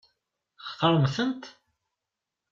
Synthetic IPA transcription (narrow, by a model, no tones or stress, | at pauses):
χθəɾˤmθənt̪